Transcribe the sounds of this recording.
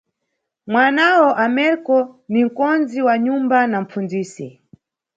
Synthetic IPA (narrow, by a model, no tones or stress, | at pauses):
mwanawɔʔamɛɾkɔnim̩kɔnziwaɲumbanam̩p͡fund͡ziːsi